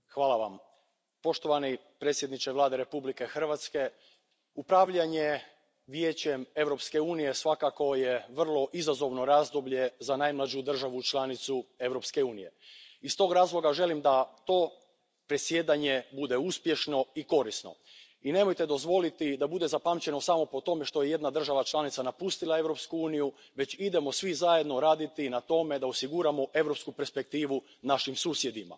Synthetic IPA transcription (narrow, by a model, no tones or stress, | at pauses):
xʋaːlˠaʋa̰m | po̞ʃt̪o̞ʋani | pɾet̪sjed̪nit͡ʃeʋlˠaːd̪eɾe̞publike̞xr̩ʋat̪ske̞ | upɾaːʋʎaɲe̞ | ʋje̞ːt͡ɕe̞me̞ʋɾo̞pske̞uːnije̞sʋakako̞jeʋr̩lˠo̞ʔizazo̞ʋno̞ɾaːzd̪obʎe̞zanaːjmlˠad͡ʑud̪r̩ʒaʋut͡ʃlˠanit̪sue̞ʋɾo̞pske̞uːnije̞̰ist̪o̞ːɡɾaːzlˠo̞ɡaʒe̞limd̪at̪o̞ | pɾe̞sje̞ːd̪aɲe̞bud̪e̞uspje̞ʃno̞iko̞ɾisno̞̰ | ine̞mo̞jt̪e̞d̪o̞zʋo̞lit̪id̪abud̪e̞zapamt͡ɕe̞no̞samo̞po̞t̪o̞me̞ʃt̪o̞je̞je̞d̪nad̪r̩ʒaʋat͡ʃlˠanit̪sanapust̪ilae̞ʋɾo̞pskuuːniju | ʋe̞t͡ɕid̪e̞mo̞sʋizaje̞d̪no̞ɾaːd̪it̪inat̪o̞me̞d̪aosiɡuɾamo̞ʔe̞ʋɾo̞pskupe̞ɾspe̞k̚t̪iːʋu | naʃimsuːsje̞d̪ima̰